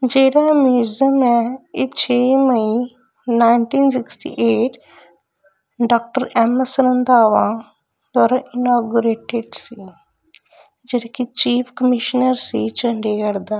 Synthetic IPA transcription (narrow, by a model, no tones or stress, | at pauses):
d͡ʒeːɽaːmjuːzəmɛːeːt͡ʃʰeːməiː | naːɪɳʈiːnsɪksʈḭːʔeːʈ | ɖaːk̚ʈəɾɛːməsəɾənd̪aːʋãː | d̪aːɾãːʔɪnaːɡuɾeːʈeɖsiː | d͡ʒeɽekɪt͡ʃiːpʰkəmɪʃnəɾsiːt͡ʃə̃ɳɖeːkəɾd̪aː